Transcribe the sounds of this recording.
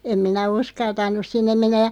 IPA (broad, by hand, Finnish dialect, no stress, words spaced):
em minæ uskɑltɑnˑus sinːem menːæj̆ jɑ